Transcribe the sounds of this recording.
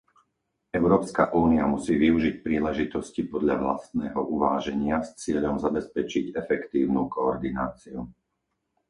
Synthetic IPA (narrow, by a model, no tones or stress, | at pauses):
ɛʊɾɔːpskaʔuːniamusiːʋiuʒic̚pɾiːlɛʒit̪ɔscipɔd̪ʎaʋla̰st̪nɛːɦɔʔuʋaːʒɛɲɪast͡sɪɛʎɔmzabɛspɛt͡ʃiɟɛfɛkt̪iːʊnukɔːɾd̪inaːt͡siu